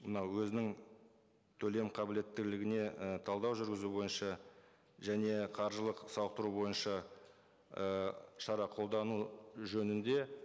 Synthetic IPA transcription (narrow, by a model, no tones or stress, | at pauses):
mənɑwwɵzɪnɪŋ | t̪ʰɵle̞mqʰɑbɪle̞t̪ːɪɡlɪɡʲɪne̞ət̪ʰɑlˠd̪ɑwʒʏɾɡʲɪzubo̞jənʃɑ | ʒæne̞qʰɑɾʒəlˠəqsɑwəq̚t̪əɾubo̞jənʃɑ | əʃɑɾɑqʰo̞lˠd̪ɑnuʒɵnɪnd̪e̞